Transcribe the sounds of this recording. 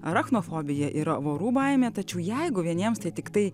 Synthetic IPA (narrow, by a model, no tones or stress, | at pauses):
ɐɾɐxnoːfoːbʲɪjɛʔiːɾɐʋoːɾuːbɐɪmʲeːt̪ɐt͡ʃʲɛʊjɛɪɡʊʋʲiɛnʲiɛmst̪ɐɪt̪ʲɪkt̪ɐɪ